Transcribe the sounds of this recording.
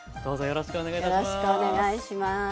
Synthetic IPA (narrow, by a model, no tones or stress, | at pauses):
d̪̥o̞ːzojo̞ɾoɕi̥kɯoneɡaijoɾoɕi̥kɯoneɡaiɕima